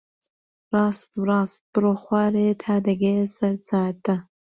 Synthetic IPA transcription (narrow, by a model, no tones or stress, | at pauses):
rɑːstwrɑːst̚b̥ɨroːχʷɑːɾetʰaːd̪ɐɡesɐɾt͡sʰaːtʰʼɐ